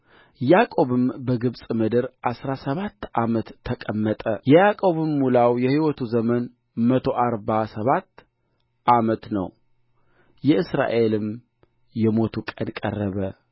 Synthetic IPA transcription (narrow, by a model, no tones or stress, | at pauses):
jakʼo̞βɨmbəɡɨβsʼmɨd̪ɨɾʔasɾasəβat̪ːʔamət̪ʰːəkʼəmːət̪ʼə̰jɛjakʼo̞βɨmːulawjɛhiwɔt̪ʰuzəmən | mət̪ʰo̞ʔaɾbasəβat̪ː | ʔamət̪nə̰w | jɛɨsɾa̰ʔe̞lɨm | jɛmo̞t̪ʰukʼənkʼə̰rːəβə